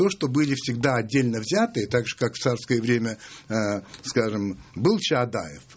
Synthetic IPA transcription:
t̪oʂt̪obɨlʲɪfsʲɪɡd̪aɐdʲːelʲnəvzʲat̪ɨt̪aɡʐɨ̥kakft̪sarskəjəvɾʲemʲə | skaʐɨmbɨlˠt͡ɕɪad̪a̰jɪf

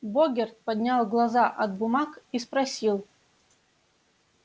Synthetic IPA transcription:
boɡʲɪrt̪̚pɐd̪ʲnʲalˠɡlˠɐzaʔɐd̪bʊmakispɾɐsʲilˠ

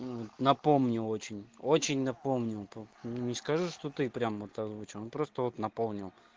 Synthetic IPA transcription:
vot̪nɐpo̞mnʲʊo̞t͡ɕɪnʲot͡ɕɪnʲnɐpomnʲɪlˠpnʲɪskɐʐɨʂt̪o̞t̪ɨpɾʲamvo̞t̪ɐzvut͡ɕɪlˠonpɾo̞st̪əvo̞t̪nɐpolˠnʲɪlˠ

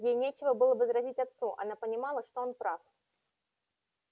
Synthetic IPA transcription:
jejnʲet͡ɕɪvəbɨlˠəbɨzɾazʲitt͡sʲat̪suʔa̰napənʲɪmalˠəʂt̪ɔonpɾaf

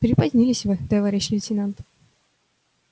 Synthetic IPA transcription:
pɾʲɪpɐdʲnʲilʲɪsʲvɨt̪ɐvaɾʲɛɕːilʲɪtʲɪnant̪

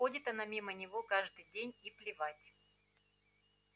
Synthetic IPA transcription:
odʲɪt̪ɐnamʲimənʲɪvo̞kaʐd̪ɨjdʲenʲiplʲɪvatʲ

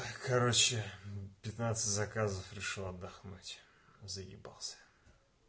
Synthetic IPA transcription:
kɐɾot͡ɕɪpʲɪt̪nat̪sɨtʲzɐkazəfɾʲɪʂɨlˠɐd̪ːɐxnutʲ | zəɡʲɪ̰ba̰lˠsʲə̥

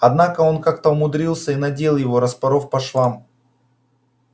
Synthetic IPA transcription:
ɐd̪nakəo̞nkak̚t̪əʊmʊd̪ɾʲilˠsʲəinɐdʲelˠjɪvo̞ɾəspɐɾo̞fpɐʂlˠam

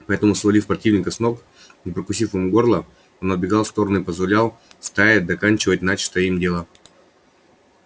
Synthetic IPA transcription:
pɐɛt̪əmʊsvɐlʲifpɾɐtʲivnʲɪkəsnok | nʲɪpɾəkʊs̬ʲifɨmɡo̞rlˠə | onɐd̪̚bʲɪɡalˠfst̪o̞ɾənʊipəzvɐlʲalˠst̪ajʲɪd̪ɐkanʲt͡ɕɪvət̚ʲnat͡ɕt̪əimdʲelˠə

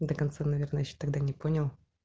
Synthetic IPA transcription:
d̪əkɐnt̪sanɐvʲernəjɛɕːo̥t̪aɡd̪anʲɪponʲɐlˠ

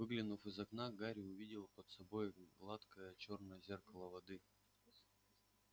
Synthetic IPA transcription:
vɨɡlʲɪnufɨzɐknaɡaɾʲʊvʲidʲɪlˠpət̪sɐbo̞jɡlˠat̪kəjət͡ɕo̞rnəjəzʲerkɐlˠəvɐd̪ɨ

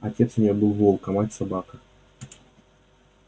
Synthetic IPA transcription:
ɐtʲet̪sʊmʲɪjobɨlˠvolˠkɐmatʲsɐbakə

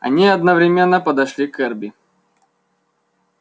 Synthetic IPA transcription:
ɐ̰nʲiɐd̪nəvɾʲɪmʲenːəpəd̪ɐʂlʲikɛrbʲɪ

